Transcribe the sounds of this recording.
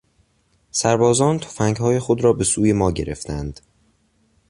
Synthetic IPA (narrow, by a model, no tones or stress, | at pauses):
sæɾbɒːzɒːnt̪ʰo̥fæŋɡhɒːje̞xod̪ɾɒːbe̞suːje̞mɒːɟe̞ɾe̞̰ft̪ʰænd̪̥